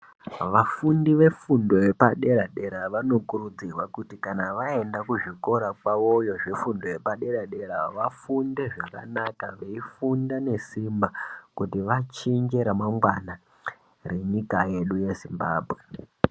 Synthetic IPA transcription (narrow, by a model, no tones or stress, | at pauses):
ʋafundiʋe̞fundo̞jepaɗe̞ɾaɗe̞ɾaʋano̞kuɾud͡zirwakutikanaʋae̞ndakuʐiko̞ɾakwaʋo̞jo̞ʐefundo̞je̞paɗe̞ɾaɗeɾaʋafunde̞ʐaka̰nakaʋeifundane̞simbakutiʋat͡ʃind͡ʒeɾamamwana | re̞ɲikaje̞ɗuje̞zimba̰ːbʱwe